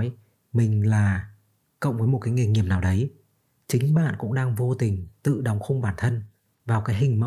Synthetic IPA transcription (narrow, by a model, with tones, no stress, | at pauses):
j | mï˨˩ŋ̟laː˨˩ | kə̰˧˨wŋ͡mvəː˨˦jmo˨˩t̚kaː˨˦jŋe˨˧˩ŋi˧˩əm̚naː˨˩wɗə˨˦j | t͡ɕï˨˦ŋ̟ɓa̰ː˧˨nkʊ̰˧˥ŋ͡mɗaː˧ŋvo˧t̪ï˨˩ŋ̟t̪ɨ̰˧˨ɗə˨˦wŋ͡mxə˧ŋ͡mɓaː˧˩nt̪ʰə˧n | vaː˨˩wkaː˨˦jɦï˨˩ŋ̟mə̰˧˨